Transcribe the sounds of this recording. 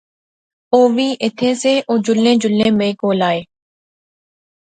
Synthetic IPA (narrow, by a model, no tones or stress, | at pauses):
oːʋiːʔɪt̪ʰẽːseːʔoːd͡ʒʊlẽːd͡ʒʊlːẽːmẽːkoːlaːeː